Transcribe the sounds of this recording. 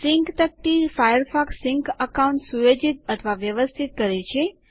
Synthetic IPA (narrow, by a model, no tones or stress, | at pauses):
sɪŋkt̪ək̚ʈ̪ifajəɾfaksiŋkəkauɳʈsujod͡ʒit̪ət̪ʰəʋaʋjəʋəst̪ʰit̪̚kəɾet͡ʃʰe